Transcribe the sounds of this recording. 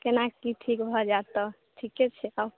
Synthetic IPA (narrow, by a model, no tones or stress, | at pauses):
kenakkiʈʰikbʱɔd͡ʒat̪ɔ | ʈʰikːet͡ʃʰɛab